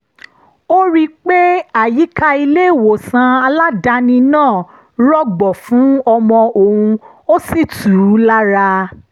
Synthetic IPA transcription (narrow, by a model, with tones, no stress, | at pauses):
o˦ɾi˦k͡pe˦a˦˨ji˨˦ka˧i˧le˦˨wo˨sã˧a˧la˦da˧nĩ˧nãː˦˨ | ɾɔ˦ɡ͡bɔ˨fũ˨˦ɔ˧mɔ̃˧ʔo˨hũ˧ | o˦si˦˨tu˨ɾu˨˦la˦ɾa˧